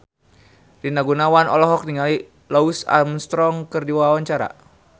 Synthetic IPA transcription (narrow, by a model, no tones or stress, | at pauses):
rinaɡunawanɔ̰lɔɦɔk̚niŋali | lɔusa̰mst̪ɾɔŋkɨrdiwawaɲt͡ʃaɾa̰